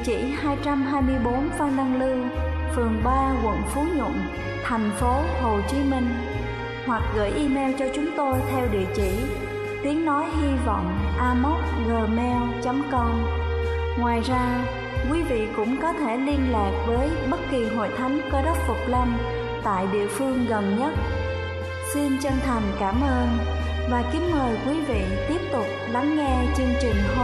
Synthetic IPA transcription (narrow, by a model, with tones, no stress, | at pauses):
t͡ɕḭ˧˩haː˧jt͡ɕa˧mɦaː˧jmɨ˧əjɓo˨˦nfa˧wŋ͡mɗa˧ŋlɨ˧ | fɨ˨˩əŋɓaː˧kwə̰˧˨nfu˨˦ɲə̰˧˨n | t̪ʰɛ˨˩jŋ̟fo˨˦ho˨˩t͡ɕi˨˦mï˧ŋ̟ | hwa˨˩k̚ɣə̰ː˧˩jʔi˧mɛ˧wt͡ɕɔ˧t͡ɕʊ˨˦ŋ͡mt̪o˧jt̪ʰɛ˧wɗḭ˧˨ət͡ɕḭ˧˩˨ | t̪i˨˦əŋnɔ˨˦jɦi˧vɔ̰˧˨wŋ͡mʔaː˧mo˦˥t̚ɣəː˨˩mɛ˧wt͡ɕə˨˦mkə˧wŋ͡m | ŋwaː˨˩jzaː˧ | kwi˨˦vḭ˧˨kʊ̰˧˥ŋ͡mkɔ˨˦t̪ʰe˧˩li˧ənlaː˨˩k̚vəː˨˦jɓə˦˥t̚ki˨˩ɦo̰˧˨jt̪ʰa˨˦jŋkɔ˨˦ɗə˦˥t̚fʊ˨˩k͡p̚lə˧n | t̪a̰ː˧˨jɗḭ˧˨əfɨ˧əŋɣə˨˩nɲə˦˥t̚ | si˧nt͡ɕə˧ŋt̪ʰa˨˩jŋ̟kaː˧˩mʔəː˧n | vaː˨˩kï˨˦ŋməː˨˩jkwi˨˦vḭ˧˨t̪i˦˥əp̚t̪ʊ˨˩k͡p̚la˨˦ŋːɛ˧t͡ɕɨ˧əŋt͡ɕï˨˩ŋ̟